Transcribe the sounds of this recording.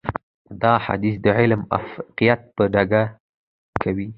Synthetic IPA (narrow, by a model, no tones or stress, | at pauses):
d̪ɑħa̰d̪is̬d̪əʕɪlma̰fqijat̪̚pəɖaɡa | kʰawi